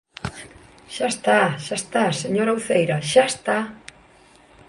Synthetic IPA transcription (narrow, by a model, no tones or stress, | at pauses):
ʃast̪aʃast̪aseɲoɾawθejɾaʃaest̪a